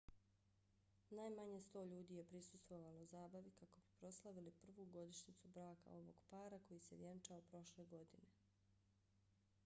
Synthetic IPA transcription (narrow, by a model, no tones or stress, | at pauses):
naːjmaɲest̪o̞ːʎuːd̪iːje̞pɾisu̥st̪ʋo̞ʋanouzaːbaʋikako̞b̥i̥pɾo̞slˠaʋilipr̩ʋuːɡo̞d̪iʃnit̪subɾaːka̰o̞ʋo̞̰ɡ̥paːɾako̞jiseʋjent͡ʃaopɾo̞ʃle̞ɡo̞d̪ine̞